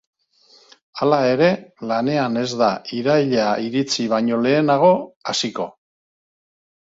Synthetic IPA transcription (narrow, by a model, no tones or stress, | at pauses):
alae̞ɾe̞lane̞ane̞zd̪aiɾajʎaiɾit͡siβaɲo̞le̞ːnaɣ̞o̞asiko̞